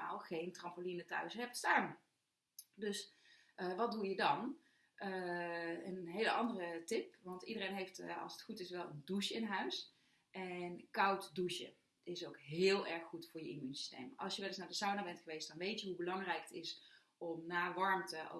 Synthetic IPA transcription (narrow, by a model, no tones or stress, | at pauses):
a̰ːlˠχejntrɑmpolinətœ̰ɥsɦɛpstaːn | dɵs | əʋɑt̚dujədɑn | ʔə | ənɦejləʔɑndərətɪpʋɑntidərejnɦejftɑ̰lˠsətχutɪsʋɛlˠənduʃəɪnɦœɥs | ʔɛnkɑwtduʃə̰ | ɪsowkɦɪːlˠɛɹχːutfʊːɹjəʔḭmynsi̥stḛjmʔɑ̰lˠsjəʋɛlɪsnaːdəsawnabɛntχəʋejstdɑnʋejtjəɦubəlɑŋrɛjkətɪs | ɔmnaːʋɑɹmtəʔo̰